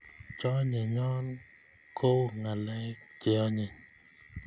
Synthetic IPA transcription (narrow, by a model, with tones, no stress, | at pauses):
t͡ʃɔ˦ɲe˨ɲɔ˦n | kʰo˦ŋa˨lɛ˦t͡ʃɪ˦ɔ˦ɲe˨